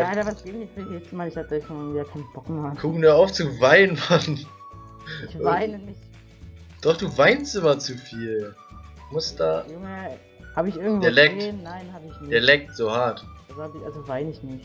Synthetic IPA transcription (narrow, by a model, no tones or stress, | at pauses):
adavasɡ̥eːbɪçnɪçtfmɪdihɪft͡səmaːnɪçhatə̥ɔçfɔnɪŋ̩viːjakʰaɪnb̥ɔkmɛkʰukmiːɐaʊft͡suvaɪnnman | ɪɪvaɪnənɪç | d̥ɔχd̥uːvaɪnstʔɪmɐt͡sufiːl | mʊsd̥aːjʊŋə | haːbəɪçʔɪɐɡŋ̩tveːɐlɛk̚teːnːaɪnhaːbəɪçnɪdeːɐlɛk̚tz̥oːhaɐtazhaːbɪçʔalzovaɪnɪçnɪçt